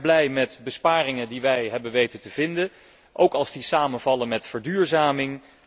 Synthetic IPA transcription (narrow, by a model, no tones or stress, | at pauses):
blɛjmɛtbəspaːrɪŋədiʋɛjɦɛbənʋejtəntəv̥ɪndə | ʔowkɑlˠzdisaːmənvɑlənmɛtfəɹdyːɹzaːmɪŋ